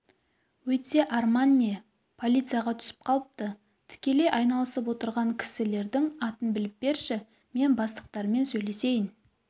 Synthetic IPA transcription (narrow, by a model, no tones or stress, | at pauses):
wɵt̪ːe̞ʔɑrmanʲij | pʰo̞lʲit̪sɨijɑʁɑt̪ʰʏ̥sɪ̥p̚qʰɑlˠəp̚t̪ə | t̪ʰɪ̥kʲe̞le̞jʔɑjnɑlˠəsəp̬wo̞t̪əɾʁɑŋkʲʰɪ̥sɪle̞ɾd̪ɪŋɑt̪ənbɪlɪp̚be̞ɾʃɪ | me̞nbɑst̪ə̥q̚t̪ɑɾme̞nsɵjle̞se̞jɪn